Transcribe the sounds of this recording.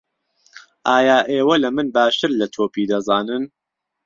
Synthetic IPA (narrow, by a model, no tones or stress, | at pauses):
ʔaːjaːʔeːwɐlɐmɨnbaːʃt̪ʰɨɾlɐt̪ʰoːpiːd̪ɐzaːnɨn